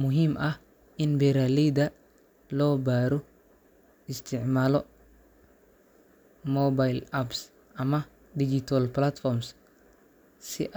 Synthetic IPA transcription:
mʊɦimʔɐh | ɪnbɛɾalid̪ɐ | lɔːbaːɾɔ | ɪst̪ʰɪʕmaːlɔ | mɔbajlaps | ʔɐmɐ | did͡ʒit̪ʰalplat̪fɔɾms | siʔ

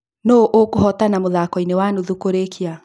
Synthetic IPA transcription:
noʔokohɔtanamoðakɔinewanuðukoɾekʰia

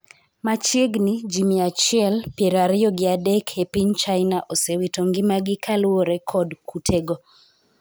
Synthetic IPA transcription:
mat͡ʃeɡnɪd͡ʒimiat͡ʃɪɛlpjeɾaɾɪjɔɡɪadɛkʰepiɲt͡ʃaɪnaʔosewitoŋɡɪmaɡɪkʰalwoɾɛkʰɔdkʰutʰeɡo

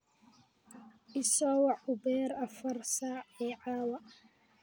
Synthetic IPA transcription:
ʔɪsɔːwɑʕʊbɛːɾɐfɐrsaːʕɛːʕaːwɐ

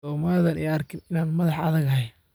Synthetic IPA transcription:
ɔːmaːðɐnɛjɐrkʰɪnɪnaːnmɐðɑħɐ̰ðɐɣɐɦɛj

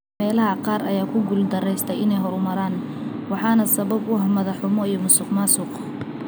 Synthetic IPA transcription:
ɛːlɐɦɐqɑːɾɐjaːkʰʊɡʊld̪ɐrɛjst̪ʰɛjɪnɛjɦɔɾʊmɐɾaːn | wɑħɑːnɐsɐβɐbʊɦɐmɐðɐħʊmɔijɔmʊsɪːqmaːsʊq

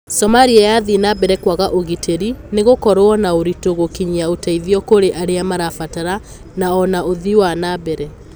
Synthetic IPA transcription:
sɔmaɾiajaðinabɛɾɛkwaɣaʔoɣitʰeɾineɣokɔɾoɔnaoɾitoɣokiɲiaotaiðiɔkoɾeʔaɾeamaɾafataɾa | naɔnaoðiwanabɛɾɛ

